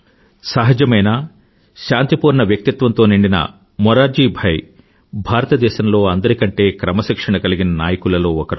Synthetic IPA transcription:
sɐɦɐd͡ʒɐmɐjnaː | ʃaːnt̪ipuːɾɳɐʋjɐk̚t̪it̪ʋɐnt̪o̞ːniɳɖinɐ̰ | mɔɾaːd͡ʒiːbʱɐj | bʱaːɾɐt̪ɐd̪ɛːʃɐmlo̞ːɐnd̪ɐɾikɐɳʈe̞ːkɾɐmɐʃikʂɐɳɐkɐliɡinɐnaːjɐkulɐlo̞ːɔkɐɾu

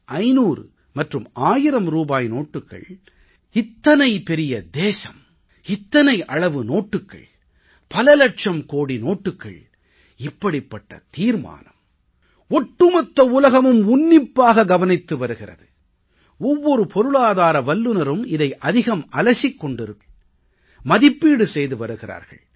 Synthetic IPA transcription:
ʔɐɪnuːɾɯ̰ | mɐʈrɯmaːjɪɾɐmɾuːbaːjnoːʈːɯkːɐ̰ɭ | ɪt̪ːɐnɐɪpɛɾɪjɐd̪eːsɐm | ɪt̪ːɐnɐɪʔɐɭɐʋɯnoːʈːɯkːɐ̰ɭ | pɐlɐlɐʈ̚t͡ʃɐmkoːɽinoːʈːɯkːɐ̰ɭ | ɪpːɐɽɪpːɐʈːɐ̰t̪iːɾma̰ːnɐm | ɔʈːɯmɐt̪ːɐʊlɐɣɐmɯmʊnːɪpːaːɣɐɡɐʋɐnɪt̪ːɯʋɐɾɯɣɪrɐ̰ðɯ | ɔʋːɔɾɯpʰɔɾɯɭaːðaːɾɐʋɐlːɯnɐɾɯmɪðɐɪʔɐðɪɣɐmɐlɐsɪkːɔɳɖɪɾɯkː | mɐðɪpːiːɽɯsɛjðɯʋɐɾɯɣɪra̰ːɾɣɐ̰ɭ

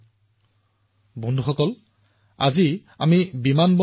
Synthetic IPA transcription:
bɔndʱuxɔkɔl | a̰ziamibimanbɔ

